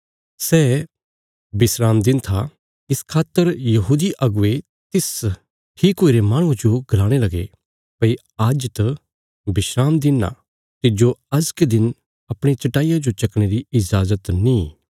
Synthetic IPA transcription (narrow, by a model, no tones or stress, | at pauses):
sɛː | bɪsɾaːmd̪ɪnt̪ʰa | ɪskʰaːt̪ːəɾjɐɦuːd̪iʔɐɡʊe | t̪ɪs | ʈʰiːkoːiɾemaːɽ̃ũd͡ʒoɡʱɾaːɽ̃elɐɡe | pɐi | ad͡ʒt̪ɐ | bɪʃɾaːmd̪ɪna̰ | t̪ɪd͡ʒoɐzked̪ɪn | ɐpɽ̃et͡ʃɐʈaːijad͡ʒot͡ʃɐkɽ̃eːɾiɪd͡ʒaːzət̪nĩː